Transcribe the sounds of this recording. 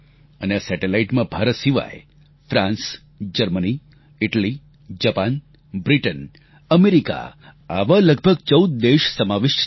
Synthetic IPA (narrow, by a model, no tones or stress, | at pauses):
ənesɛʈelaiʈmãbʱaɾət̪siʋa̰j | fɾãns | d͡ʒəɾməni | ɪʈəli | d͡ʒapan | bɾiʈən | əmeɾika̰ | aʋaləɡ̚ʱbʱəɡ̚t͡ʃəud̪̚d̪eʃsəmaʋɪʃ